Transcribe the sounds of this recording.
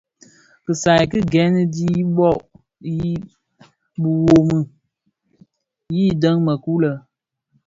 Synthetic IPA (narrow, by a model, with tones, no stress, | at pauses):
kɨ˨sa˨jkɨ˦ɡɛ˨˦nɨ˦di˦ɓɔ˦˨ʔ | ji˦ | bɨ˨wo˨mɨ˨ | jiː˦˨də˦ŋmə˨ku˦lə˨